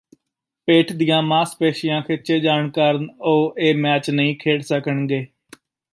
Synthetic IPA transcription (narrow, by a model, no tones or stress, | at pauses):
peːʈʰd̪ijãːmãːspeːʃɪjãːkʰɪt͡ʃeːd͡ʒaːɳkəɾnoːʔeːmɛːt͡ʃnəĩːkʰeːɽsəkəɳɡeː